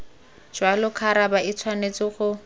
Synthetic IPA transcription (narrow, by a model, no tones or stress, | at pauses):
d͡ʒ̥walʊkʰaɾabait͡sʰwanet͡sɪχʊ